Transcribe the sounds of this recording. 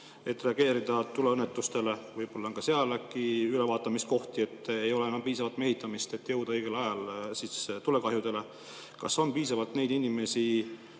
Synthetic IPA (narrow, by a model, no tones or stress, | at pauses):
e̞t̪ːˑre̞ɑɡe̞ːɾid̪̥ɑt̪uleɤnːet̪ːˑust̪e̞le̞vɯjb̥o̞lːɑnkɑseɑlekiylevɑːt̪ːˑɑmist̪̚ko̞ht̪ie̞t̪ːˑejo̞leenːɑmpiːsɑvɑlt̪me̞ɦit̪ːˑɑmist̪e̞t̪ːˑjɤwd̪̥ɑɤjɡ̥e̞lɑjɑlsist̪ule̞kɑɦjud̪e̞le̞ | kɑso̞npiːsɑvɑlt̪ne̞jd̪inime̞si